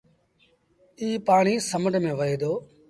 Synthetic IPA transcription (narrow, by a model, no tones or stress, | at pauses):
iːpaːɳiːsəməɖmẽːʋəɦeːd̪oː